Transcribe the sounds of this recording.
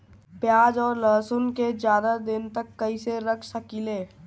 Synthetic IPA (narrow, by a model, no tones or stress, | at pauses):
pjaːd͡ʒɔːɾləːsʊnked͡ʒjaːd̪ad̪ɪnt̪əkːəiseɾəkʰsəkileː